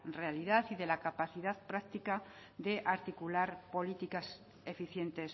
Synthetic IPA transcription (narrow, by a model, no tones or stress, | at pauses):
re̞aliðaθiðe̞lakapaθiðaðpɾakt̪ikaðe̞ʔaɾt̪ikulaɾpo̞lit̪ikas | e̞fiθje̞nt̪e̞s